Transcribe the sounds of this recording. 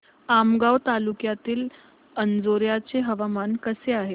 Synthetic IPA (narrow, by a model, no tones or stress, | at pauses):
amɡaʋt̪alukjat̪iːl | ənd͡zoɾjat͡seɦəʋamankəseaɦe